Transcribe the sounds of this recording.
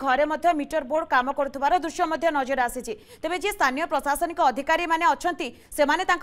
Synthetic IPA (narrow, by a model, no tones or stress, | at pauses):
ɡʱɔɾemɔd̪ʱjɔmiʈɔɾboɖkamɔkɔɾut̪ʰibaɾɔd̪ɾuʃjɔmɔd̪ʱjɔnɔd͡ʒoɾasit͡ʃʰi | t̪ebed͡ʒest̪ʰanijɔpɾɔsasɔnikɔːd̪ʱikaɾimaneɔt͡ʃʰɔnt̪i | semanet̪ãŋk